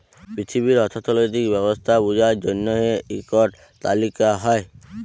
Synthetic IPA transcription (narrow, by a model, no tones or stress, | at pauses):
pɾit̪ʰiβiɾɔt̪ʰɔt̪ʰɔlojt̪ikbɛbɔst̪ʰabud͡ʒaɾd͡ʒɔnːɔeikɔʈ | t̪a̰likaɦɔe